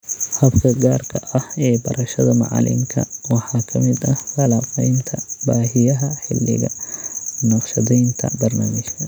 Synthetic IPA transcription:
hɐbkʰɐɡaːrkʰɐʔɐhɛːbɐɾʔɐʃɐðɐmɑ̰ʕɑ̰lɪ̰ŋkʰɐ̰wɑħɑːkʰɐmɪd̪ɐhfɑlaːfɛjnt̪ʰɐbaːɦɪjɐɦɐħɪ̰lːɪ̰ɣɐ̰ | nɑqʃɐðɛjnt̪ʰɐ̰bɐrna̰ːmɪʃkʰɐ

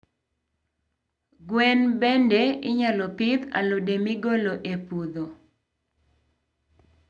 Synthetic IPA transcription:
ɡwɛnbɛndɛɪɲalɔpɪd̪a̰lodemiɡoloʔepud̪o

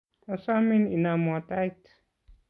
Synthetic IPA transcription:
asamininamɔtajt

